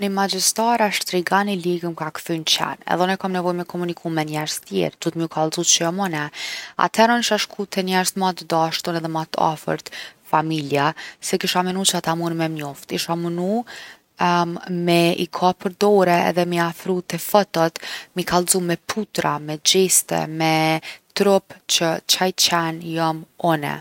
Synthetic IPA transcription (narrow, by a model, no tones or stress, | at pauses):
nimad͡ʑist̪aɾaʃt̪ɾiɡaniliɡəmkakfynt͡ɕa̰nɛ̰ðɛnɛkamnɛvɔjmɛkʰɔmunikʰumɛnɛɾz̥t̪jɛ̰ɾd̪ut̪miukʰalˠzut͡ʃəjɔmɔnɛa̰t̪ʰɛɾɔniʃaʃkʰut̪ʰɛnɛɾzmat̪d̪aʃt̪ɔnɛðɛmat̪a̰fə̰ɾt̪familjasɛkiʃamənut͡ɕəat̪amunmɛmɲɔft̪iʃamənu | mɛḭkʰapəɾd̪ɔɾɛɛ̰ðɛmiafɾut̪ɛfɔt̪ɔt̪mikʰalˠzumɛpʰut̪ɾamɛd͡ʑist̪ɛ̰mɛt̪ɾɔpt͡ɕət͡ɕajt͡ɕɛnjɔmɔnɛ̰